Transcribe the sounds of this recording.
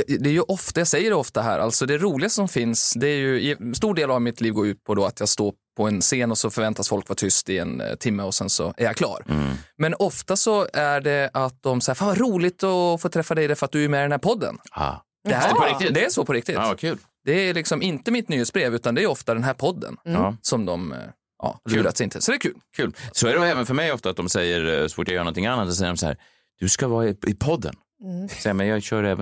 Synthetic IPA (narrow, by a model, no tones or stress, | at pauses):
d̪ɛæjɵʔɔft̪ajɑsɛjːəɖɛɔft̪aɦæ̰ːɾʔa̰lt̪sɔd̪ɛɾuːlɪɡast̪əsɔmfɪnsd̪ɛːɾjɵjst̪uːɖeːlavmɪt̪liːvɡoːʉ̟ːt̪̚pʰɔd̪ɔa̰t̪ʰjɑːɡst̪oːɾpʰɔɛnseːnɔsɔfœɾvɛnt̪asfɔlkvaʈʰʏst̪ɪɛ̰nt̪ʰɪmːəɔsɛnsɔ̰æɾjakʰlɑ̰ːɾmɛnɔft̪asɔæɖɛat̪̚d̪ɔmsaæːɾfaːnvaɾuːlɪɡ̚t̪ɔfoːt̪ʰɾɛfːad̪ɛɪd̪ɛfœɾat̪̚d̪ɵæɾmɛd̪ɛnhæːɾpʰɔd̪ːə̰nɑ̰ | d̪ɛæpɔɾɪkt̪ɪd̪ɛæʂɔpʰɔɾɪk̚t̪ɪtːkʰʉːl | d̪̥ɛælɪksɔmɪnt̪əmɪt̪̚nyːeːtsbɾeːvʉ̟ːt̪and̪ɛæːjɔft̪ad̪ɛnɦæːɾpʰɔd̪ːə̰nːsɔmd̪ɔm | ʔɑ̰ːhlːɾat̪sɛɪnt̪əsɔd̪ɛːɾkʰʉ̟ːlkʰʉ̟ːlsɔæɾɛɛːvənfœɾmɛjɔft̪at̪̚d̪ɔmsɛjːəɾsɔfuːʈjaɡjœːɳnɔnt̪ʰɪŋanːat̪sɔs̬ɛjːəɾɔmsahæ̰ːɾ | d̪̥ɵskavɑːɪɪpʰɔd̪ːə̰n | sɛjamɛjɑɡɕœːɾɛːvə